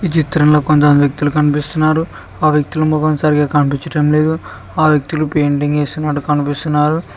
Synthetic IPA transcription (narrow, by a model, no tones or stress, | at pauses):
ʋit͡ʃit̪ɾɐnlo̞ːkont̪ɐmʋjɐk̚t̪ilukɐnipist̪unːaːɾu | aːʋjɐk̚t̪ilumɔkɐnsaːɾiɡaːkɐnipiɲt͡ʃɐʈɐmle̞ːd̪u | aːʋjɐk̚t̪ilupeːɳʈiŋe̞ːsinɐʈukɐnipist̪unːaːɾu